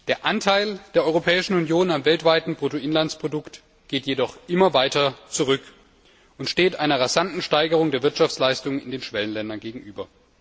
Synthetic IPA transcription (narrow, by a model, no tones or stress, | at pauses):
d̥eːɐʔantʰaɪld̥eːɐɔʏʁopʰɛːɪʃn̩unjoːnamvɛltv̥aɪtn̩bʁ̥otoɪnlant͡spʁ̥odʊkt | ɡ̥eːtjedɔχʔɪmɐvaɪtɐt͡suʁʏk | ʊntʃteːtʔaɪnɐʁazantn̩ʃtaɪɡəʁ̞ʊŋdeːɐvɪɐtʃaft͡slaɪstʊŋənɪ̰ndeːnʃv̥ɛlənlɛndɐnɡeːɡŋ̩ʔyːbɐ